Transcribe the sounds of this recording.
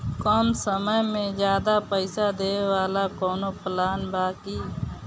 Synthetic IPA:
kɔːmsəməjmẽzjaːd̪apəɪsad̪eːwaːlakɔːnopʰəlaːnbaːkiː

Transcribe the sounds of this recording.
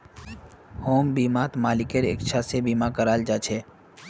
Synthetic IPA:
hoːmbiːmaːt̪maːlɪkeɾḛkt͡ʃʰasebiːmakəɾaːld͡ʒaːt͡ʃʰeː

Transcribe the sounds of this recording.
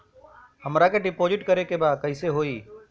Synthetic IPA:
həmɾakʰeɖɪpoːzɪʈkəɾekeːbaːkəɪseɦoːiː

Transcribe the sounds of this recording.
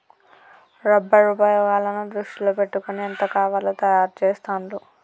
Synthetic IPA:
ɾɐbːɐɾupaːjɐʋaːlːɐnud̪ɾuʂʈiloːpe̞ʈːukuniɐnt̪ɐkaːʋaːlɐt̪ɐjaːɾt͡ʃeːst̪aːnlu

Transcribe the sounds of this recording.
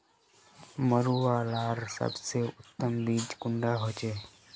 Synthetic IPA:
məɾuːaːlaːɾsə̰bseːʊt̪ːəmliːd͡ʒkʊɳɖaːɦoːt͡ʃeː

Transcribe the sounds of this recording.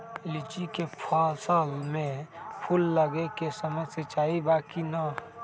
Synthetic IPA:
lɪt͡ʃikepʰaːlsəlmẽpʰʊlːəɡekesəməset͡ʃaːibaːkina

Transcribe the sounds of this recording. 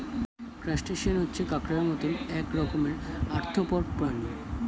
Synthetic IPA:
kɾasʈeʃonɦotːɕʰekakɾamɔt̪onɛkɾɔkomeɾaɾt̪ʰopɔɾpɾano

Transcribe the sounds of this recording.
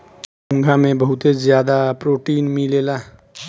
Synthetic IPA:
ɦũŋɡʱamebəɦut̪ed͡zjad̪apɾoʈinmilela

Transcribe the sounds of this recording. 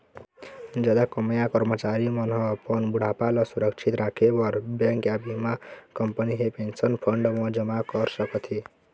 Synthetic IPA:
d͡zad̪akʌmʌjakʌɾmʌt͡ʃaɾimʌnɦʌpʌnbuɽ̤ʱapalʌsuɾʌkt͡sʰit̪ɾakʰebʌɾbjaŋkjabimakʌmpʌniɦepensʌnpʰʌɳɖmʌd͡zʌmakʌɾsʌkʌt̪ʰi

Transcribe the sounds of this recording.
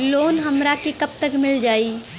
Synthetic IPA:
loːnɦəmɾakikəp̚t̪əkmɪld͡ʒaːi

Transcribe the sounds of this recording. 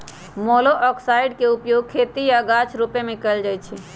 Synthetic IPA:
moːloʔɔksaːɪɖkeʊpjoːɡ̚kʰeːt̪ijaɡat͡ʃʰɾupemẽkəld͡ʒaːjt͡ʃʰi

